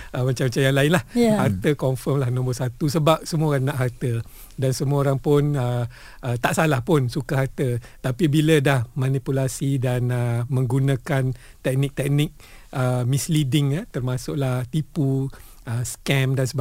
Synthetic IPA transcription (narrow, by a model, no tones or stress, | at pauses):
ʔəmat͡ʃamat͡ʃajaŋlaɪnlahhart̪əkɔɱfəmlahnɔ̃mbɔsat̪usəbap̚səmuoɣanːaʔɦart̪ə | dansəmuaoɾaŋpʊnə | ʔət̪aʔsalahpʊnsukaɦart̪ət̪apibilədahmanipulasidanəmə̃ŋɡunakant̪ɛk̚nɪk̚t̪ɛk̚nɪk̚ | əmislidɪŋat̪ərmasʊʔlaht̪ipu | əskɛmdansəba